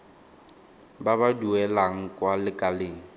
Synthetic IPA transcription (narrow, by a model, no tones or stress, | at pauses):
babaduɛlaŋ̩kʼwalɪkʼaleːŋ̩